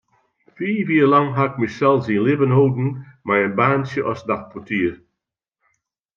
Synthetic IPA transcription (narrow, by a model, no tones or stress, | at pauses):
fiːviːlɑŋɦaɪk̚mɪsɛlˠsinlɪvənɦowdn̩maɹənbaːnsjəʔɔsdaχpʰɔtiːə